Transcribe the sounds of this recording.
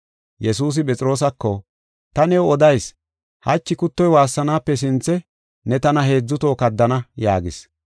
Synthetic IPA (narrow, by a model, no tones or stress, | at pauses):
jɛsuːs̬ɪpʼɛt͡sʼɪɾo̞ːs̬ɐkːɔ | t̪ɐnɛwɔd̪ɐjs | hɐt͡ʃːɪkʊt̪ːɔjwaːsːɐnaːpːɛs̬ɪnt͡sːɛ | nɛt̪ɐnɐɦe̞ːd͡zːʊt̪o̞ːkɐd̪ːɐnɐja̰ːɡɪs